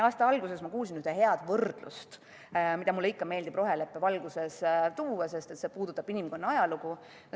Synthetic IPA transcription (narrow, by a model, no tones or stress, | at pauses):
ɑːst̪ɑɑlɡuse̞smɑkuːls̬inyhd̪eɦe̞ɑd̪̥vɤrd̪̥lṵst̪ | mid̪̥ɑmulːeikːɑme̞ːld̪ibro̞ɦe̞le̞pːevɑlɡ̥use̞st̪uːwɑse̞st̪e̞t̪se̞puːd̪̥ut̪ːˑɑb̥inimko̞nːɑɑjɑluɡ̥u